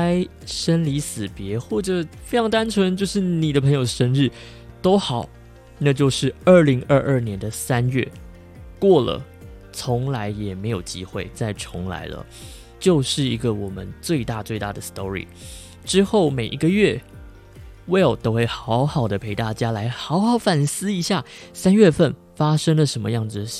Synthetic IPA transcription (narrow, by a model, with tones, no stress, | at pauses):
ɪ | ʂə˥nli˧˥sɹ̩˨˩pjɛ˧˥xwɔ˥˩ʈ͡ʂə˨˩fe˥ɪɑ˧˥ŋt̪a˥nt͡sʰwə˧˥nt͡ɕjo˥˧ʊʂɻ̩˥˩ni˨˩d̪ə˦pʰə˧˥ŋjo˨˩ʊʂə˧˥nɻɻ̩˥˩ | t̪o˥ʊxɑ˨˩˦ʊ | na˥˧t͡ɕjo˥˧ʊʂɻ̩˥˧ə˞˥˩li˧˥ŋə˥˧ʔə˥˩njɛ˧˦˥nd̪ə˨sa˦nɥɛ˥˩ | kwɔ˥˩lə̰˩ | t͡sʰʊ˧˥ŋla˧˥ɪjɛ˨˩me˧˥ɪjo˨˩ʊt͡ɕi˥xwe˥˧ɪt͡sa˥˩ɪʈ͡ʂʰʊ˧˥ŋla̰˧˥ɪlə̰˧ | t͡ɕjo˥˧ʊʂɻ̩˥˩i˧˥ɡə˧wɔ˨˩mə˦nt͡swe˥˧ɪt̪a˥˧t͡swe˥˧ɪt̪a̰˥˩d̪ə˩st̪ɔ˥ɹḭ˨˩ | ʈ͡ʂɻ̩˥xo˥˩ʊme˨˩ɪʔi˧˥ɡə˧ɥɛ˥˩ | we˥˨˩t̪o˥ʊxwe˥˩ɪxɑ˧˥ʊxɑ˨˩ʊd̪ə˦pʰe˧˥ɪt̪a˥˩t͡ɕja˥la˧˥ɪxɑ˧˥ʊxɑ˧˥ʊfa˨˩nsɹ̩˥i˧˥ɕja˥˩ | sa˥nɥɛ˥˧fə˥˩n | fa˥ʂə˥ŋlə˨ʂə˧˥nmə˧jɑ˥˩ŋd͡z̩˨